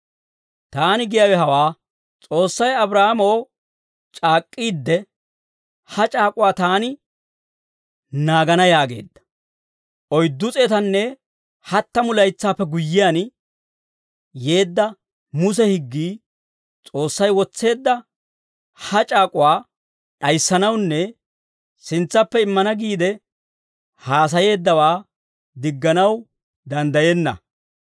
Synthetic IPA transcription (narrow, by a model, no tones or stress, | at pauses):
t̪aːnɪɡɪjɐwɛɦɐwaː | t͡sʼo̞ːsːɐjɐbɾaːamow | t͡ʃʼaːkʼːiːd̪ːɛ | hɐt͡ʃʼaːkʼʊwaːt̪aːnɪ | naːɡɐnɐjaːɡe̞̰ːd̪ːɐ̥ | ʔɔjd̪ːʊt͡sʼeːt̪ɐnːɛ | hɐt̪ːɐmʊlɐjt͡sːaːpːɛɡʊjːɪjan | je̞ːd̪ːɐ | mʊs̬ɛhɪɡːiː | t͡sʼo̞ːsːɐjwɔt͡sːe̞ːd̪ːɐ | hɐt͡ʃʼaːkʼʊwaː | ɗɐjsːɐnɐwnːɛ | sɪnt͡sːɐpːɛɪmːɐnɐɡiːd̪ɛ | haːs̬ɐje̞ːd̪ːɐwaː | d̪ɪɡːɐnɐw | d̪ɐnd̪ɐjenːɐ̰